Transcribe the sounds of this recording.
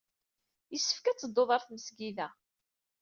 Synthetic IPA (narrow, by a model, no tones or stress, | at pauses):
jəsːə̥fkæt͡sːəd̪ˤːoðˤɑɾˤθməsɡiðæ